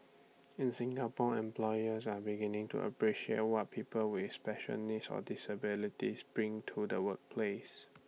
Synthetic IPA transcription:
ɪ̃nsɪ̃ŋɡapɔɛ̃mplɔjəsabiɡɪnɪ̃ŋtṵʔə̰pʰɹiʃiḛt̚wɔt̚pʰipəlwɪspɛʃə̰nisɔ̰dɪsəbɪlitisb̥ɹĩŋtʰudəwək̚pʰles

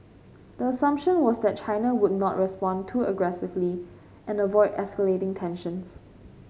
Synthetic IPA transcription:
d̥̪əəsʌ̃mpʃə̃nwɔsd̪ɛt̚t͡ʃʰaɪnawʊd̚ⁿnɔ̰ʔɹɛspɔ̃ntʰuəɡɹɛsɪvli | ʔɛ̃nəvɔɪdɛ̰skəletɪ̃ŋtʰɛ̃nʃə̃ns

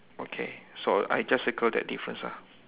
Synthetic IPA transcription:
okʰḛsoa̰jd͡ʒasəkəldɛ̰t̚difɹə̰̃nsa̰

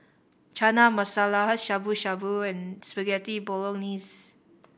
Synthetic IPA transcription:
t͡ʃanamasalaɦat̚ʃabuʃabuɛ̃nspəɡɛtibɔlɔ̃ŋnis

